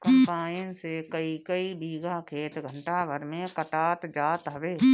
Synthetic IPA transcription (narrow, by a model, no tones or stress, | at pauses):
kə̃mpaːɪnsekəikəibiːɡakʰeːt̪ɡʱə̃ɳʈaʋəɾmẽkəʈaːt̪d͡ʒaːt̪ɦəʋeː